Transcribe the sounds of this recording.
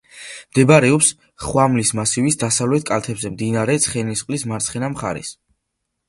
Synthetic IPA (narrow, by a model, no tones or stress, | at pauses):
md̪ɛbaɾɛɔps | χwamlismasivisd̪asavlɛt̪̚ʰkʼalt̪ʰɛbzɛmd̪inaɾɛt̪sʰχɛnisqʼlismaɾt̪sʰχɛnamχa̰ɾɛ̰s